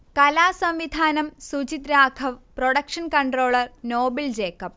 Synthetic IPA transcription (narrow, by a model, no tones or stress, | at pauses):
kɐlaːsɐmʋid̪ʱaːnɐmsut͡ɕit̪ɾaːkʰɐʋproɽɐkʂɐnkɐɳʈro̞ːɭɐrnoːbild͡ʑeːkːɐp̚ː